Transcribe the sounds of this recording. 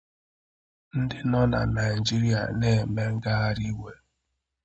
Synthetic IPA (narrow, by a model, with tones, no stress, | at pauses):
n̩˦dɪ˦nɔ˦na̰˨na˨ɪ˨d͡ʒi˦ɾi˦a̰˨ne˦˨me˦ŋ̩˦ɡa˦a˦ɾi˦we˨